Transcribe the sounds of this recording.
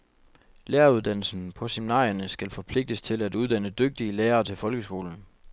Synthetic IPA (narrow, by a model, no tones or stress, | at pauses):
leːɐuð̞ˠd̥æn̰l̩sn̩pʰɒ̽seminɑ̰̈ːɐnəsɡ̥ælfɒ̽pʰle̝ɡ̥̚d̥əst͡sʰe̝læd̥uð̞ˠd̥æn̰əd̥øɡ̥̚d̥iəleːɐːt͡sʰe̝lfɒ̽lɡ̥əsɡ̥o̝̰ːln̩